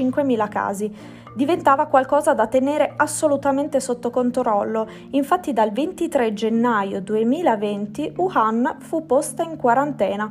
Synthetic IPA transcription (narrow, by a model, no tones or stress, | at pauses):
iŋkwemiːlaka̰ːzi | d̪ivent̪aːvakwalkɔːzad̪at̪ːeneːɾeʔasːolut̪ament̪esot̪ːokont̪ɾɔlːo | iɱfat̪ːid̪alvent̪it̪ɾed͡ʒenːajod̪uemiːlavent̪iuhanfupːost̪aiŋkwaɾant̪ɛːna